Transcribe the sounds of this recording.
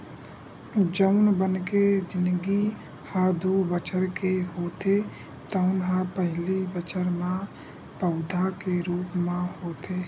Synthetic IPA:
d͡ʒəʊnbənked͡ʒɪnɡi | had̪ubət͡ʃəɾkeɦoːt̪e | t̪əʊnɦapəɦɪlibət͡ʃəɾmã | pəʊd̪ʱakeɾuːpmãhoːt̪eː

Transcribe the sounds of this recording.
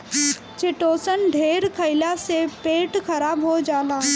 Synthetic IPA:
t͡ʃɪʈoːsənɖʱeːɾkʰɐɪlasepeːʈkɐɾaːbɦod͡ʒaːlaː

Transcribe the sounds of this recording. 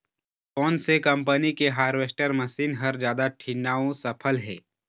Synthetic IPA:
kɔːnsekɐ̃mpənikeɦaːɾʋesʈəɾməsiːnɦɐɾd͡ʒjaːd̪aʈʰiːnaːõsɐpʰəlɦɛ̰ː

